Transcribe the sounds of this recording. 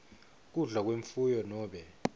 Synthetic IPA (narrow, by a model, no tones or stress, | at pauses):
k̬uɮak̬weɱfujɔnɔːɓɛ